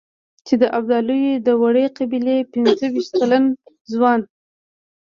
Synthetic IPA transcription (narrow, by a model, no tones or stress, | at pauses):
t͡ʃed̪əʔabd̪ɑlujed̪əwaɽeqabilepɪnzəwiʃt̪̚kalan | zwɑn